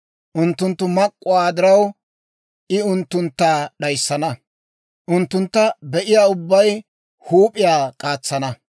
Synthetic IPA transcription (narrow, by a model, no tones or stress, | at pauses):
ʔʊnt̪ːʊnt̪ːʊmɐkʼːʊwaːd̪ɪɾɐw | ʔɪʊnt̪ːʊnt̪ːaːɗɐjsːɐnɐ | ʔʊnt̪ːʊnt̪ːɐbɛʔɪjaːʊbːɐj | huːpʼɪjaːkʼaːt͡sːɐnɐ